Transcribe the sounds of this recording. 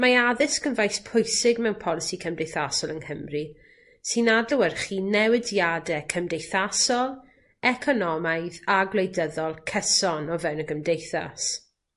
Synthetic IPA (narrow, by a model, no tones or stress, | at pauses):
maaðɪskənvajspʰʊjsɪɡmɛwnpʰɔlˠɪsikʰəmdejθasɔlˠənhəmri | sɨnadəwərχiːnɛwɪdjadɛkʰəmdejθasɔlˠ | ɛkʰɔnɔmajðaɡlejdəðɔlˠkʰəsɔnɔvɛwnəɡəmdejθa̰s